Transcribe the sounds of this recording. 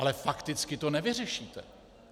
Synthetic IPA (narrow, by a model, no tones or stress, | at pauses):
alɛfakt̪ɪt͡skɪt̪o̞nɛvɪr̝ɛʃiːt̪ɛ̰